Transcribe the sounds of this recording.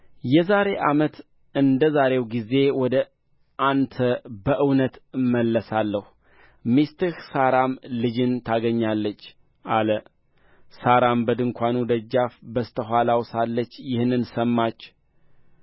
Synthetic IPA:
jɛzaɾe̞ʔamət̪ | ɨnd̪əzaɾe̞wɡize̞wɔd̪ə | ʔant̪ʰəbəʔɨwnət̪ɨmːəlːəsalːəh | mist̪ɨhsaɾamlɨd͡ʒɨnt̪ʰaɡəɲːalːət͡ʃː | ʔalə | saɾambəd̪ɨŋkʷanud̪əd͡ʒːafbəst̪ʰəɦʷalawsalːət͡ʃːjɪhnːɨnsəmːat͡ʃː

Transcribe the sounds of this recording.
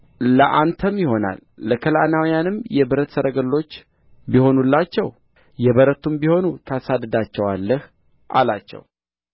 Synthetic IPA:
ləʔant̪ʰəmjɪho̞na̰lːəkʰəla̰nawijanɨmjɛbɨɾət̪səɾʔəɡəlːo̞t͡ʃː | biho̞nulːat͡ʃːɛw | jɛβəɾət̪ʰumbiho̞nut̪ʰasad̪ɨd̪at͡ʃːɛwalːəh | ʔa̰lat͡ʃːɛ̰w

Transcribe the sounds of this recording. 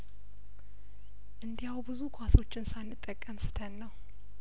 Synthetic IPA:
ʔɨnd̪ijawbɨzukʰaso̞t͡ʃːɪnsanːɨt̪ʼːəkʼːəmsɨ̥t̪ʰənːəw

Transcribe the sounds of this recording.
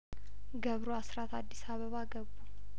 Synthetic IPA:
ɡəβɾoasɾat̪ʰad̪ːisaβəβaɡəbːu

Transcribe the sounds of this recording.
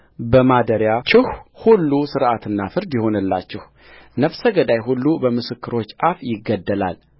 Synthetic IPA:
bəmad̪əɾjat͡ʃʰɪhhulːusɨɾʔat̪ɨnːafɨɾd̪jɪho̞nɨlːa̰t͡ʃːɛh | nəfsəɡəd̪ajhulːubəmɨsɨkːɨɾo̞t͡ʃːʔafjɪɡːəd̪ːəla̰l

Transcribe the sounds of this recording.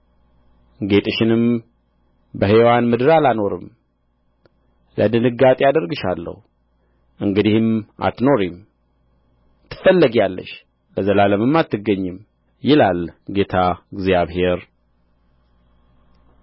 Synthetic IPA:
ɡe̞t̪ʼɨʃɪnɨm | bəhewanmɨd̪ɨɾalano̞ɾɨ̰m | ləd̪ɨnɨɡat̪ʼiad̪əɾɡɨʃa̰lːə̰hu | ʔɨŋɡɨd̪ihɨma̰t̪no̞ɾim | t̪ʰːɨ̥fəlːəɡjalːə̰ʃ | ləzəlaləmɨmːat̪ʰːɨɡːəɲːɨm | jɪlalɡe̞t̪ʰaɡzjaβhe̞ɾ

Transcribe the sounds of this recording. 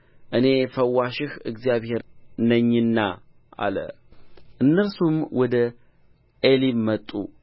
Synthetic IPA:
ʔɨne̞fəwːaʃɪhɨɡzijaβhe̞ɾnəɲːɨnːa | ʔa̰lə̰ | ʔɨnːəɾsumwʔɔd̪ə | ʔelimːət̪ʼːu

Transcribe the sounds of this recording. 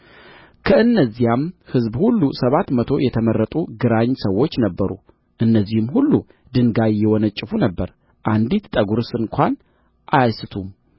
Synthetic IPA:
kʰəɨnːəzːijamhɨzbhulːusəβat̪mət̪ʰo̞jɛt̪ʰəməɾːət̪ʼuɡɨɾaɲːsəwːo̞t͡ʃːnəbːəɾṵ | ʔɨnːəzːihɨmhulːu | d̪ɨŋɡajːɛwɔnət͡ʃʼːɪfunəbːəɾ | ʔand̪it̪t̪ʼəɡuɾsɨŋkʷʰan | ʔajasɨt̪ʰum

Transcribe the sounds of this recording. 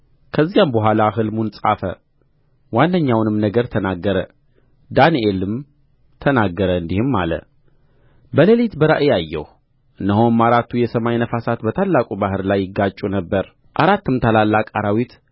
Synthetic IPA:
kʰəzːjambəɦʷalaɦɨlmunsʼa̰fə̰ | wanːəɲːawnɨmnəɡəɾt̪ʰənaɡːəɾə | d̪aniʔelɨm | t̪ʰənaɡːəɾəɨnd̪ihɨmːa̰lə̰ | bələlit̪bəɾa̰ʔɨjajːɛ̰h | ʔɨnːəɦomːaɾat̪ʰujɛsəmajnəfasat̪bət̪ʰalːakʼubahɨɾlajːɪɡːat͡ʃʼːunəbːəɾ | ʔaɾat̪ːɨmt̪ʰalalːakʼaɾawit̪

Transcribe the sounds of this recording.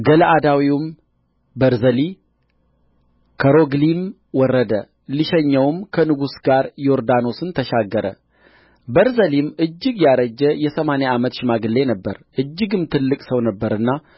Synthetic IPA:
ɡələʔad̪awiwm | bəɾzəli | kʰəɾoɡlim | wɔrːəd̪ə | liʃɛɲːəwmkʰənɨɡusɡaɾjoɾd̪ano̞sɨnt̪ʰəʃaɡːəɾə̰ | bəɾzəlimʔɨd͡ʒːɨɡjaɾəd͡ʒːəjɛsəmaneamət̪ʃɪmaɡɨlːe̞nəbːəɾʔɨd͡ʒːɨɡɨmt̪ʰɨlːɨkʼsəwnəbːəɾɨnːa

